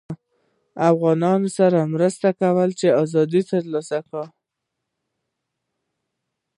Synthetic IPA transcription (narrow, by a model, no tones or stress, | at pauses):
afɣɑnɑnosaɾamɾəst̪akawəlt͡ʃeɑzɑd̪it̪əɾlɑsakə